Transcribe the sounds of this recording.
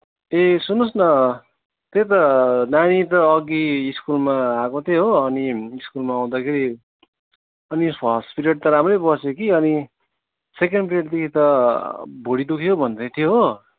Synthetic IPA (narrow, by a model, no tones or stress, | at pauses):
esunosnʌ | t̪et̪̬ʌnaɽ̃it̪ʌːɡiːskulmaakot̪ʰeɦoʌniːskulmaːw̃d̪akʰeɾi | ʌnisʌʌspiɾeʈ̚t̪ʌɾamrʌjbʌsokiʌni | sekeɳɖpiɾeʈd̪ekʰit̪ʌ | bʱoɽid̪ukʰjobʱʌnt̪et̪ʰeɦo